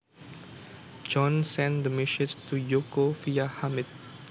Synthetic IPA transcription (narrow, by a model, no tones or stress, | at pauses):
d͡ʒɔ̃nsɛ̃nd̪əmiʃɪstujokofiahamɪt̚